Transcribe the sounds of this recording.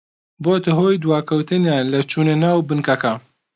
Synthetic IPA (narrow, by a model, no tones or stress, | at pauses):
boːt̪ɨɦoːjd̪waːkʰɐwt̪ɨnjaːnlɐt͡ʃʰuːnɐnaːwbɨnkɐkɐ